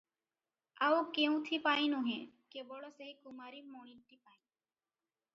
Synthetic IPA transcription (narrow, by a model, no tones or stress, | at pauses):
aukeũt̪ʰipaːĩnõɦẽkeboɽoseɦikumaːɾimoːɳit̪ipaːĩ